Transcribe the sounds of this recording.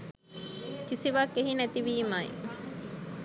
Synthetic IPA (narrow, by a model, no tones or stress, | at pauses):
kisiʋaːkːeɦinet̪iʋiːmɐḭ